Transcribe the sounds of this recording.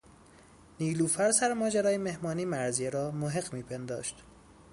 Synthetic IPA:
niːluːfæɾsæɾmɒːd͡ʒæɾɒːjemehmɒːniːmæɾzijeɾɒːmoɦeɡmiːpʰend̪ɒ̰ːʃt̪

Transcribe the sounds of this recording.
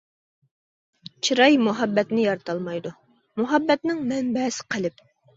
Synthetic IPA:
t͡ʃʰiɾɑjmuɦɑbːɛt̪nɪjɑɾt̪ʰɑlˠmɑjd̪u | muɦɑbːɛt̪nɪŋmɛmbɛsɪ̥qʰəlɪp

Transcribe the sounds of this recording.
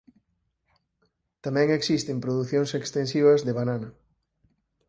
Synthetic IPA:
t̪amɛ̃ŋeksist̪ɪmpɾoðuθjoŋsekst̪ensiβ̞ɐzðeβ̞ananɐ

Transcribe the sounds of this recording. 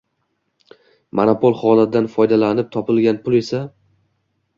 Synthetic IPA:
manopolˠχɒnad̪anfɒjd̪alanɪp̚t̪ʰɒpɪlɡʲanpʊlˠe̞sa

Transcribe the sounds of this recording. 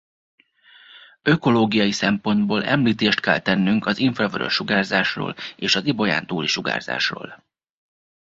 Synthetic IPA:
øko̞loːɡijɒjisɛmpo̞nd̪boːlɛ̰mliːt̪eːʃt̪kɛlt̪ɛnːyŋkɒziɱfrɒvøɾø̰ʃːuɡaːrzaːʃro̰ːleːʃɒzibo̞ja̰ːnt̪uːliʃuɡa̰ːrza̰ːʃro̰ːl

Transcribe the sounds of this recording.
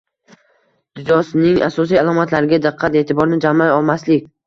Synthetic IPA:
d̪̥ʊd̪ɒsnɪŋa̰sɒs̬ijalˠɒmat̪ʰlaɾɪɡʲad̪ɨqʰːɑt̪e̞t̪ʰɪbɒɾnɪd͡ʒamːajɒlˠmaslɪkʲ

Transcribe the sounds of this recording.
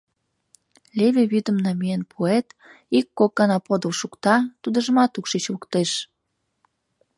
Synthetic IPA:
lʲeβeβyd̪əmnɑmienpʰuet̪ | ikːokːɑnɑpod̪əlʃukt̪ɑt̪ud̪ə̆ʒəmɑt̪ukʃit͡ɕukt̪eʃ

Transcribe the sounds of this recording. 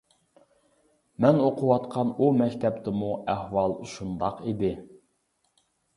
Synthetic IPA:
mɛnoqʰʊwɑt̪qʰɑnumɛkʲt̪ʰɛpt̪ʰɪmuæhwɑlˠuʃund̪ɑqid̪ɪ

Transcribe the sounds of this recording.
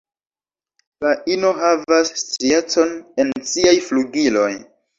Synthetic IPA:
paʔinoɦavasːtɾiet͡so̞ne̞nsiajfluɡilo̞j

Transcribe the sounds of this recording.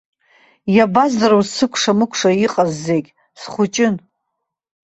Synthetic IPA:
jabazaɾowzsɨkʷʰʂamɨkʷʰʂaiqʼazːeɡʲ | sχʷʊt͡ʃʼɪn

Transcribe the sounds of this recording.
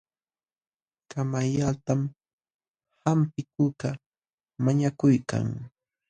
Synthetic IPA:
kamajat̪am | hampɪk̚ʊka | maɲakʊjka̰ŋ

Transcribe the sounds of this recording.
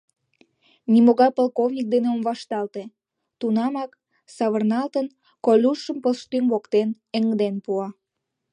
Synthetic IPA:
nʲimoɣɑjpolkovnʲik̚d̪eneomβɑʃt̪ɑlt̪e | t̪unɑmɑk | sɑβərnɑlt̪ən | kolʲuʃəmpəlʃt̪ynβokt̪en | eŋd̪enpuɑ

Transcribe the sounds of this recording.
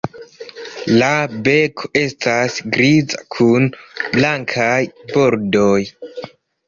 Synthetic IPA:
labe̞kʰo̞e̞stasɡɾiza̰kʰunblaŋkʰajbo̞ɾdo̞j

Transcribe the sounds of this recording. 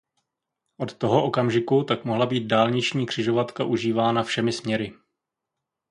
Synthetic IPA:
ʔo̞t̪ːo̞ɦoʔo̞kamʒɪkut̪akmoɦlabiːt̪̚daːlɲɪt͡ʃɲiːkr̝̥ɪʒo̞vat̪kaʔuʒiːvaːnafʃɛmɪsmɲɛɾɪ

